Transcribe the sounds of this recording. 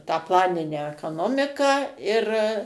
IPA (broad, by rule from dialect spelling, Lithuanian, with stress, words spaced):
tɑː ˈplˠɑːnʲɪnʲæː ɛkɐˈnoːmʲɪkɑː ɪr